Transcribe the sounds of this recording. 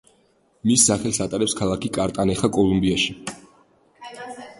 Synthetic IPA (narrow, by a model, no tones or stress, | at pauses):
misːaχɛlˠsat̪ʼaɾɛpskʰalˠakʰikʼaɾt̪ʼanɛχakʼɔlˠumbiaʃi